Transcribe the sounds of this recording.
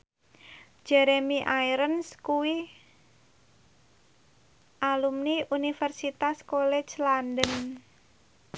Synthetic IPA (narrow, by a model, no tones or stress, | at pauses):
d͡ʒ̥ɛɾemiʔajɾənskuwi | ʔalumniʔunifɛrsit̪askolɛ̥d͡ʒlandən